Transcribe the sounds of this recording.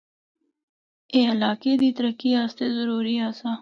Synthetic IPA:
ealɑːked̪it̪ɾakiɑst̪ezʊɾuɾiɑsɑ

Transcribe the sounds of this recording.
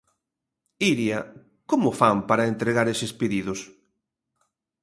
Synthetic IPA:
iɾja | komʊfampaɾɐent̪ɾeɣaɾesespeðiðʊs

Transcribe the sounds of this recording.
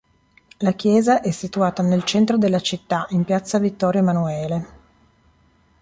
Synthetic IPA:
lak̟jɛːzaʔɛsːit̪uaːt̪anelt͡ʃɛnt̪ɾod̪elːat͡ʃit̪ːaʔimpjat̪sːavit̪ːɔːɾjamanuɛːle

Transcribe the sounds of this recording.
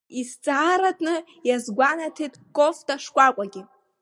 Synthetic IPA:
ist͡sʼaːɾatʰʼnɨ | jazɡʷanatʰetʼkʼoftʼaʂkʷʼakʷʼaɡʲi

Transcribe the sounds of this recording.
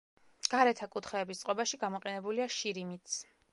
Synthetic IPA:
ɡ̥aɾɛt̪ʰakʼut̪ʰχɛːbist̪sqʼɔbaʃiɡamɔqʼɛnɛbuliaʃiɾimit̪sʰ

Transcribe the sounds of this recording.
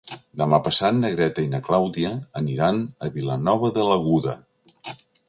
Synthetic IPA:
d̪əmapəsat̪nəɣɾɛt̪əinəklawðiəːniɾanəβilənɔβəðələɣuðə̰

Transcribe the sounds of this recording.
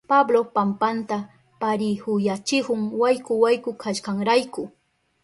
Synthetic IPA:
pablopampant̪a | paɾɪhʊjat͡ʃɪhʊŋwajkʊwajkʊkʰaʃkaŋɾajkʊ

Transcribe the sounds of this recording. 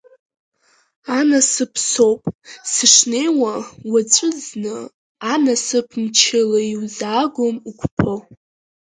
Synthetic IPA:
anasɨpʰso̞wpʼsɨʂne̞jwawaʈ͡ʂʷʼɨznɨ | anasɨpʰmt͡ʃʰɪlaiwzaɡʷomukʷʰʼpʰo

